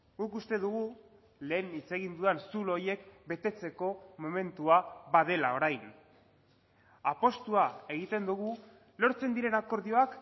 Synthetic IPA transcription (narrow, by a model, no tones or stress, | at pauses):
ɡukust̪e̞ðuɣ̞u | le̞ːnit͡se̞ɣ̞ind̪uansulo̞je̞kbe̞t̪e̞t͡se̞ko̞mo̞me̞nt̪uaβað̞e̞lao̞ɾajn | apo̞st̪uae̞ɣ̞it̪e̞nd̪uɣ̞u | lo̞ɾt͡se̞nd̪iɾe̞nako̞ɾðio̞ak